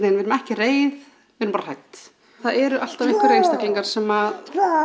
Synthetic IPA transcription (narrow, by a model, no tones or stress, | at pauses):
nenɪɾmɛhcɪreːjð | vɪðɾmpaɾar̥ajt̪ | θaðɛɾʏʔal̥t̪avɪŋkɪɾrːejnst̪akliŋkaɾ̥sɛmað